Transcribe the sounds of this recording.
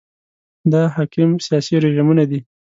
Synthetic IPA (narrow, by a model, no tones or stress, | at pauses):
d̪ɑɦɑkɪmsijɑsiɾeʒimunad̪i